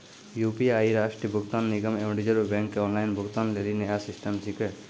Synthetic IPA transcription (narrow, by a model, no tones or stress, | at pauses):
juːpiaːiɾaːʃʈɾibʱʊɡt̪anːiɡəmeʋɖid͡ʒəɾbɛ̃ŋkːeɔːnlaɪnbʱʊɡt̪aːnlelinejasisʈəmsike